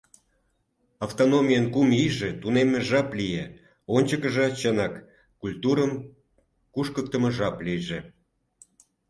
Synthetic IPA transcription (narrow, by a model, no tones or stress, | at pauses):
ɑft̪onomʲijənkumiʒet̪unemeʒɑplije | onʲt͡ɕəkəʒɑt͡ɕənɑkː | ulʲt̪uɾəm | kuʃkək̚t̪əməʒɑplijʒĕ